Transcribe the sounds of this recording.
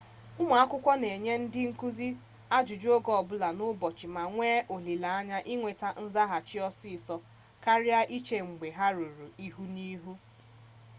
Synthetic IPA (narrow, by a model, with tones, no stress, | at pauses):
ʊ˦ma˨a˦kʷʊ˦kʷɔ˦ne˨ɲe˦n̩˦dɪ˦ŋ̩˦ku˦zi˦ | a˦d͡ʒu˨d͡ʒu˦o˦ɡɔ˦˨bʊ˦la˨nʊ˦bɔ˨t͡ʃɪ˨ma˨ŋʷeː˦ʔo˨li˨la˨a˦ɲa˦ʔi˦ŋʷe˨ta˦n̩˦za˦ɦa˨t͡ʃi˦ɔ˦si˦˨sɔ˦ | ka˦ɾɪ˦a˦ʔi˦t͡ʃe˨ŋ͡m̩˨ɡ͡be˨ɦa˦ɾu˨ɾu˨i˦ɦu˦ni˦ɦu˦